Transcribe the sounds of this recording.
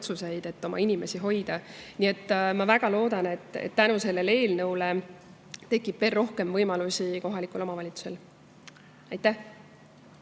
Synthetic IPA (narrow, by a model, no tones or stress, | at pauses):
t̪suse̞jd̪̥e̞t̪ːo̞mʔɑ̰inʲime̞siɦo̞jd̪̥ɑnie̞t̪ːˑmɑvæɡ̥ɑlo̞ːd̪̥ɑne̞t̪ːˑḛt̪ːænuse̞lːe̞le̞ːlnɤwle̞ | t̪e̞kˑːib̥ve̞ːlːo̞hke̞mvɤjmɑlusʲiko̞ɦɑlikˑulo̞mɑvɑlʲit̪su̥sel | ɑjt̪ːˑæh